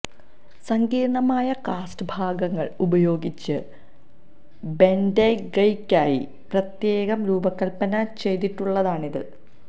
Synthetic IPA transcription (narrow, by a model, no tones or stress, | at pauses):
sɐŋɡiːɾɳɐmaːjɐkaːsʈɨbʱaːɡɐŋːɐɭubɐjo̞ːɡit͡ɕːɨ | bendeɡɐjkːaːjḭ | prɐt̪je̞ːɣɐmɾuːbɐkːɐlpɐnɐt͡ɕe̞jt̪iʈːuɭːɐðaːɳiðɨ̰